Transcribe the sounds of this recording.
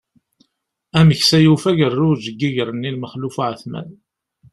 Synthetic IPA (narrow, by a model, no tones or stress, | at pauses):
æməçsæjufæʝərːʊɾʒəɡːiʝəɾənːilməχlufaʕθmæ̰n